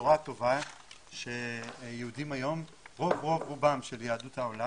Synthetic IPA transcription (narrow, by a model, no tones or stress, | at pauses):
uʁat̪o̞va | ʃejeudimajo̞mʁovʁo̞vʁubamʃeljaːd̪ut̪haola